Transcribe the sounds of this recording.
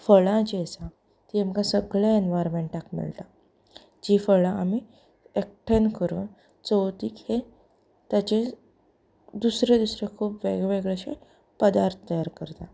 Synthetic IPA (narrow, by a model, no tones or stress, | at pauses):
fəɭãd͡ʑesã | t̪iamkãsəɡɭaenʋajɾmeɳʈakmḭɭt̪a | d͡ʑifəɭãami | ek̚ʈʰenkəɾṵːn | t͡səwt̪iːkhe | t̪jat͡ɕe | d̪usɾed̪usɾekʰuːpʋḛɡɭʋeɡɭeɕḛ | pəd̪aɾt̪ʰət̪əjaɾkəɾt̪a